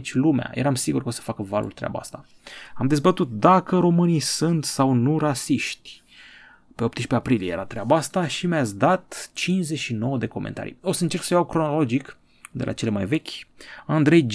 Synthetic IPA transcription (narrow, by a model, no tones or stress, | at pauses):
t͡ʃʲlumea̰jʔḛɾamsiɡurkəo̞sə̥fakəvalʔṵlt̪ɾea̰baa̰st̪a | amd̪e̞zbət̪ut̪̚d̪akəɾo̞mɨnijsɨnt̪sawnurasiʃt̪ʲ | pe̞o̞p̚t̪əʃpeapɾilijejḛɾat̪ɾeabaast̪aʃimjat̪sʲd̪at̪t͡ʃinzet͡ʃʃino̞wəd̪e̞ko̞mʔḛnt̪a̰ɾḭo̞səɨnt͡ʃe̞rksəjawkɾonolo̞d͡ʒik | d̪e̞lʔa̰t͡ʃe̞lemajve̞kʲand̪ɾe̞jd͡ʒ